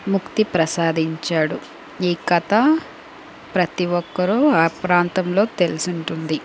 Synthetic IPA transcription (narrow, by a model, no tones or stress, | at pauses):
mukt̪ipɾɐsaːd̪iɲt͡ʃaːɽu | iːkɐt̪ɐ | pɾɐt̪iwɔkːɐɾuapɾaːnt̪ɐmlo̞ːt̪e̞lusuɳʈund̪i